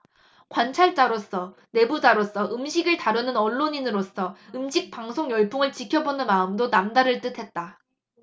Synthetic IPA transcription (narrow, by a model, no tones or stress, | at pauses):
kwant͡ɕʰaɭt͡ɕ͈aɾos͈ʰʌne̞bud͡ʑaɾos͈ʰʌʔɯmɕʰiɡɯɭtaɾɯnɯnʌɭːoɲinɯɾos͈ʰʌɯmɕʰik̚p͈aŋsʰoŋjʌɭpʰuŋɯɭt͡ɕikʰjʌbonɯnmaɯmdonamdaɾɯɭt͈ɯtʰe̞t̚t͈a